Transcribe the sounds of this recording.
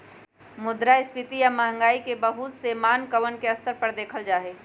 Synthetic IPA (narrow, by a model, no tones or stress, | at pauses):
mʊd̪ɾaɪspɪt̪ijaməɦə̃ŋɡaːikebəɦut̪semaːnkəʋənkeɐst̪əɾpəɾd̪eːkʰəld͡ʒaːɦeː